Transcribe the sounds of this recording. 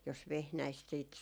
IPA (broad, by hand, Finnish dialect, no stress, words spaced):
jos ʋehnæist siːt